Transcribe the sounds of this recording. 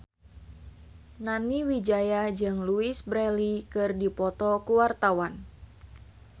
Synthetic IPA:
naniwid͡ʒajad͡ʒɨŋluisbɾɛlikɨrdipɔt̪ɔkuwart̪awan

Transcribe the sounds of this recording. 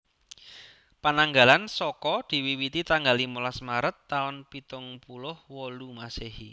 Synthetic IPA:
panaŋɡa̤lansɔkɔd̪̥i̤wiwit̪it̪aŋɡalimulasmaɾət̪ːaʊnpit̪ʊŋpulʊhwɔlumasehḭ

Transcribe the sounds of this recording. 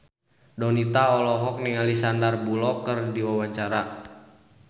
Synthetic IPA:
dɔnit̪aɔlɔɦɔk̚niŋalisandarbulɔkərdiwawaɲt͡ʃaɾa

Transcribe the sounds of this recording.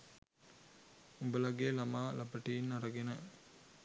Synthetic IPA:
ubəlaɡeːlamaːlʔapəʈiinːaɾəɡenə

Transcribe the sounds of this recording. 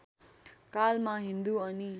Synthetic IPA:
kalmaɦind̪uʌni

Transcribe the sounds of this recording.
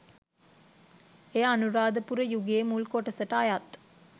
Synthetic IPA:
eːanuɾaːd̪əpuɾəjuɡeːmulkoʈɐsəʈajat̪

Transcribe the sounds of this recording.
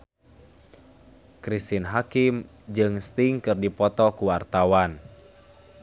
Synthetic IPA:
kɾist̪inɦakim | d͡ʒɨŋst̪iŋkɨrdipɔt̪ɔkuwart̪awan

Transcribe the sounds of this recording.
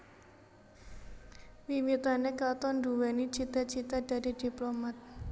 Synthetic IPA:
wimit̪anekat̪ɔnduwɛnit͡ʃit̪at͡ʃit̪ad̥a̤did̥i̤plomat̪̚

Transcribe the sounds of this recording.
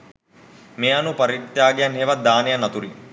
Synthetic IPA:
meːɐnupɐɾit̪ːjaːɡejanɦeːʋɐd̪aːnejanɐt̪uɾi

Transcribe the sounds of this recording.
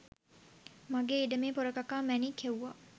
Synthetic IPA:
maɡeːiɖəmeːpoɾəkakaːmænikʰewʋa

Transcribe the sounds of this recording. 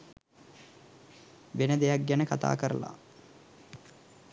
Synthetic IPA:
ʋenəd̪ejak̚ɡænəkat̪a̰ːkəɾə̰la̰

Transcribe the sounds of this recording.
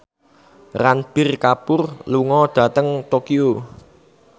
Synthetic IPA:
ranb̥ɪrkapʊrluŋɔɖ̪̥ä̤t̪əŋt̪okio

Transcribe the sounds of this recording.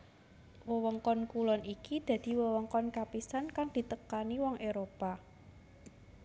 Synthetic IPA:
wəwɔŋkɔnkulɔnʔikid̪̥ä̤d̪̥i̤wəwɔŋkɔnkapisankaŋd̪̥i̤t̪əkaniwɔŋʔeɾopa

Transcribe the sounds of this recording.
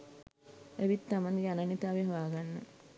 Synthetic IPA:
eʋit̪ːamaŋɡeananit̪aːʋeɦoʋaːɡanːə̰

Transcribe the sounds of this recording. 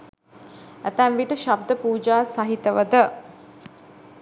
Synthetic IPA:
æt̪æmʋiʈəʃab̚d̪əpuːd͡ʒaːsaɦit̪əʋəd̪ə

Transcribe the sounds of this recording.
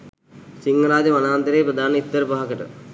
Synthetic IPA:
t͡ʃiŋɡɐɾaːd͡ʑɐmɐnaːnd̪ɐɾeːpɾɐd̪ʱaːnɐit̪ːɐɾbaːkɐʈɨ̰

